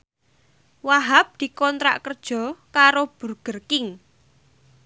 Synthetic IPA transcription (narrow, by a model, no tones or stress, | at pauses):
waɦap̚d̪̥i̤kɔnt̪ɾa̰ʔkərd̥ʒ̥ɔ̤kaɾob̥ṳrɡ̥ərkɪŋ